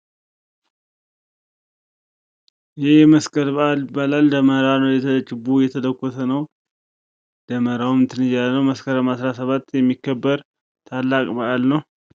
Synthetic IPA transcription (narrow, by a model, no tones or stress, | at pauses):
jɪhɪjɛməskʰʼəɾbəalbalald̪əməɾanəwjɛt̪ʰələt͡ʃʼɪbujɛt̪ʰələkʷːɔsʰənəw | d̪əməɾawmɨnt̪ʰɨnɨjːalənəwməskʰəɾəmasɾasəβat̪ːjɛmːikːəbːəɾ | t̪ʰalːakʼbəʔalnəw